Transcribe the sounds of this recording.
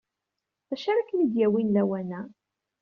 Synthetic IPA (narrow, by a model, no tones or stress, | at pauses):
θæʃaɾˤakːnid̪jæwinlæwænæ